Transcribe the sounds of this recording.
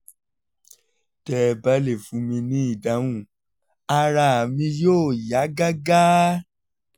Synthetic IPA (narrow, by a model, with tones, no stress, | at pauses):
tɛ˦˧ba˦le˨fũ˨˦mĩ˧nĩ˦i˦˨da˨˦wũ˦˨ | a˧ɾa˧a˨mĩ˧joː˦˨ja˨˦ɡa˦ɡa˦